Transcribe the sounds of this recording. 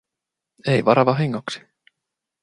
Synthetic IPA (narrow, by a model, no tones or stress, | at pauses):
ejvɑɾɑvɑɦeŋːaksi̥